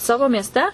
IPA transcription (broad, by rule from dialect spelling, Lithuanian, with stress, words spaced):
ˈsɑːʋoː mʲiɛsʲˈtʲɛ